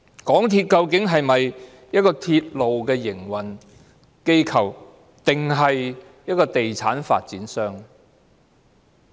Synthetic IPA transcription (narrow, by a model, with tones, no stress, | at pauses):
kɔː˨˥ŋt̪ʰiː˧t̚kɐ˧wkɪ˨˥ŋɦɐ˨jmɐ˨j | jɐ˥t̚kɔː˧t̪ʰiː˧t̚lo˨wkɛː˧jɪ˨˩ŋwɐ˨˩n | ke˧jkʰɐ˨˩w | t̪ɪ˨ŋɦɐ˨j | jɐ˥t̚kɔː˧t̪e˨jt͡sʰaː˨˥nfa̰ː˧t̚t͡siː˨˥nsœː˥ŋ